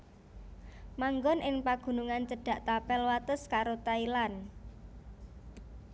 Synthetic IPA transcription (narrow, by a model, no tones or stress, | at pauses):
maŋɡɔnʔɪŋpaɡ̥ṳnuŋant͡ʃəɖ̥a̤ʔt̪apɛlwat̪əskaɾot̪ailan